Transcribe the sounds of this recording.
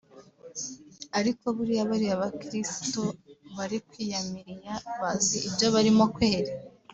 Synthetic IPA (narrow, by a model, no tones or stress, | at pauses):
aɾiko̞βuɾiaβaɾiaβakɾisi̥to̞βaɾikwiːjamiɾijaβaziibjo̞βaɾimo̞kweːɾi